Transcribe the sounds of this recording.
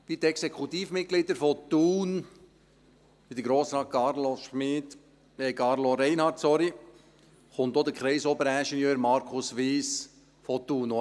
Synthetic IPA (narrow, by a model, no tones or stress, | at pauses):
pid̪ɛksekʰut̪iːfmɪt̪̚ɡ̥lɪd̪əɾfɔt̪uːn | pid̥̪əɾɡɾoːsɾɑːt̚kɑɾlɔʃmɪd̪ | ɛkɑɾlɔɾɛɪnhɑt̚sɔɾi | χʊnt̪ːod̪əkχɾɛɪsɔbəɾæʃɛnjøːɾmɑɾkʰʊsʋiːs | fot̪ːuːno